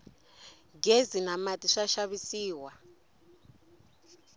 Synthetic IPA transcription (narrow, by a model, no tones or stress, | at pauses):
ɡezinamatʼiʂaʃaβisiːwa